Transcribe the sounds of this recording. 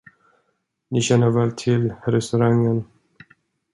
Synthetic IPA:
nɪɕɛnːəɾvɛːlt̪ʰɪlɾɛst̪ɵɾaŋːən

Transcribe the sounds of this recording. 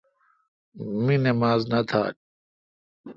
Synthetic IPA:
minɐmaːznɐt̪ʰa̰ːl̚

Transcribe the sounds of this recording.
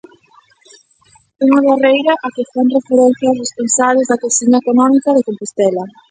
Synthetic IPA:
ɛuŋaβarejɾɐʔakɪfanrefeɾɛn̟θjazðespensaβlezðɐkoθiɲaekonɔmikɐðekompost̪ɛlɐ

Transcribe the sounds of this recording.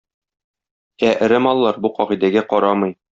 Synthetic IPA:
æʔɘ̆ɾɘmɒlˠːɑɾbuqɒʁid̪æɡæqɒɾɑmɤ̆j

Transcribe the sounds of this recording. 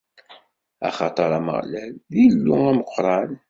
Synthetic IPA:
ɑ̰χɑt̪ˤɑɾˤæmə̰ʁlælðilːʊŋæməqːɾˤɑl

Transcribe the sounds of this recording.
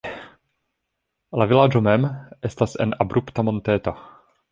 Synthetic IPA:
lavilad͡ʒo̞meme̞stasenabɾʔuptamo̞nteto

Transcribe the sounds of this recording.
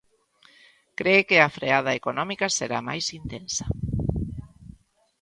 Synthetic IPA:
kɾekɪafɾeað̞ɐekonɔmikaseɾama̰jsint̪ensɐ̥

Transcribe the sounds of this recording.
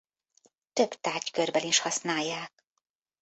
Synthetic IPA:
t̪øbt̪aːckørbɛliʃhɒsnaːjːaːk̚

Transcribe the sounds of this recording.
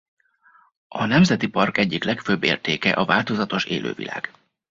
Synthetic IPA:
ɒnɛmzɛt̪ipɒrkɛɟːiklɛkføbːḛːrt̪eːkɛ̰ʔɒvaːlt̪o̞zɒt̪o̞ʃḛːlʔø̰ːvḭla̰ːɡ̥

